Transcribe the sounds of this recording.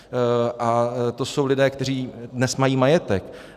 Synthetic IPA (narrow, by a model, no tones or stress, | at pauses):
ʔat̪oso̞wlɪdɛːkt̪ɛriːdnɛsmajiːmajɛt̪ɛk